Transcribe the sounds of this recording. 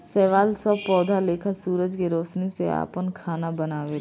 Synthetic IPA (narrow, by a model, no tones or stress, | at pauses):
sɛːʋaːlsəpɔːd̪ʱaleːkʰəsuːɾəd͡ʒkeɾoːʃnisea̰ːpənkʰaːnabɐnaːʋe